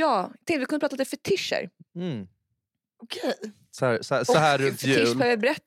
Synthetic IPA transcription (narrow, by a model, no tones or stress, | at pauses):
jɑːjt̪ʰɛ̃ŋkt̪əvɪkʰɵnəpɾɑːt̪ad̪ɛfɛt̪ʰɪʂə̰ɾm̩ | ɔkʰej | sɔæːsæːsɔɔɦæːɾɵt̪jʉɪœːvjabɛɾɛt̪ː